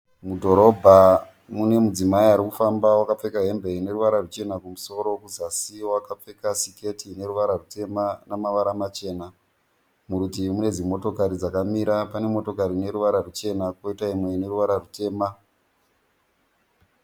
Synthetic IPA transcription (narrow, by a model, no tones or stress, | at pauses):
mudʱo̞ɾo̞bʱa | mune̞mud͡zimaiɦaɾikufambawakap͡fe̞kaɦe̞mbʱe̞ine̞ɾuʋaɾarut͡ʃe̞nakumuso̞ɾo̞kuzasiwakap͡fe̞kasike̞tʰine̞ɾuʋaɾarute̞manamaʋaɾamat͡ʃe̞ːna | muɾutimune̞d͡zimo̞to̞kaɾid͡zakamiɾapane̞mo̞to̞kaɾine̞ɾuʋaɾarut͡ʃe̞nako̞itaimwe̞ne̞ɾuʋaɾarute̞ːma